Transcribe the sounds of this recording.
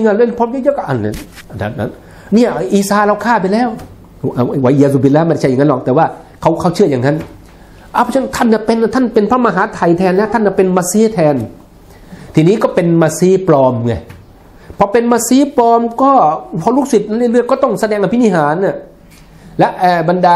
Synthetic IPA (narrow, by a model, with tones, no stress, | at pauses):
ŋa˧˩lɯ˧˥˨pʰɔː˧˥˨jɤː˦˥˨jɤː˦˥kʔa˧˨˩na̰˧˩ʔa˨da̰˨˩t̪̚a̰˦˥n | ni˧˩ɐ˧ʔiː˨˩saː˧ɾa˧wkʰaː˥˩p̬a˧jlɛː˦˧˥w | ʔa˧˩˧wa˨ji˧aː˧zuː˧˩bi˧˨laː˧˦m˧˩˨a˧˩t͡ɕʰa˧˩˨ŋa˥lɔ˧˩k̚t̪ɛː˨˦waː˧˥˩ | kʰa˧˩wkʰa˧˩wt͡ɕʰɯ˥˩əjaː˨˩ŋa˦˥n | ʔa˧˩pʰɔː˧˥˩t͡ɕʰa˧˥˦t̪ʰa˥˩nːa˧˩pe˧n˧˩t̪ʰa˥˩npe˧npʰaː˦˧˥maː˧ɦaː˨˦t̪ʰa˨˩jt̪ʰɛː˧nlɛː˦˥wt̪ʰa˥˩nka˧˩pe˧nmaː˧siː˦˥t̪ʰɛː˧n | t̪ʰiː˨niː˦˥kɔː˥˩pe˧nmaː˧siː˦˥plɔː˧mŋa˧˩j | pʰɔ˧˥pe˧nmaː˧˥siː˦˥plɔː˧mkɔː˥˩pʰɔ˧luː˥˩k̚si˨t̪̚na˧˥˨la˧˦lɯ˥˩əjkɔː˥˩t̪ɔ˥˩ŋsa˧dɛː˧ŋʔa˧pʰi˦˥ni˧˩ɦaː˨˦nʔa˧˩ | lɛ˦˥ʔʔɛː˧˩ba˧ndaː˧